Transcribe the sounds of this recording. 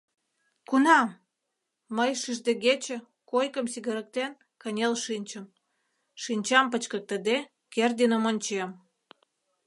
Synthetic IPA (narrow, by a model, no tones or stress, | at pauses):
kunɑ | məjʃiʒd̪eɣet͡ɕə̆ | kojkəmsiɣə̆ɾə̆k̚t̪en | kənʲelʃinʲt͡ɕəm | ʃinʲt͡ɕɑmpət͡ɕkək̚t̪əd̪e | kerd̪inə̆monʲt͡ɕem